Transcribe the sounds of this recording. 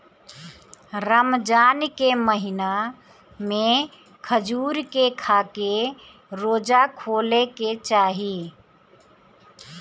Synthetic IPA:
ɾəmd͡ʒaːnkeməɦɪna | mẽ | kʰəd͡ʒuːɾkekʰaːke | ɾoːd͡ʒakʰoːleket͡ʃaːɦi

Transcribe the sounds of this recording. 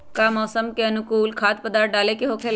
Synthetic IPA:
kaːmɔːsəmkeɐnʊkuːlkʰaːt̪̚pəd̪aːɾʈ̚ɖaːlekeɦoːkʰel

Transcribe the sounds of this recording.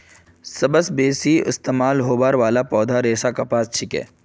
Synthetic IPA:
sɐbəsbeːsiɪ̰st̪eːmaːlɦoːbaːɾʋaːlapɔːd̪ʱaɾeːsakɐpaːst͡ʃʰɪkɛ̰ː

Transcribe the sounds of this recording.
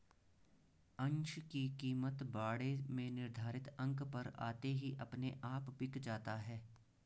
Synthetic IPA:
ə̃nt͡ʃʰkikiːmət̪baːɽemẽnɪɾd̪ʱaːɾɪt̪ɐ̃ŋkpɐɾa̰ːt̪eɦiʔɐpneʔaːpbɪkd͡ʒaːt̪aɦɛː

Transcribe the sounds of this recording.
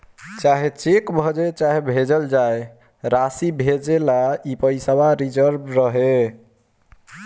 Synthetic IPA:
t͡ʃaɦet͡ʃekbʱɔd͡ʒet͡ʃaɦebʱed͡ʒəld͡ʒaj | ɾasibʱed͡ʒelaipəisabaɾid͡ʒəɾbɾəɦe

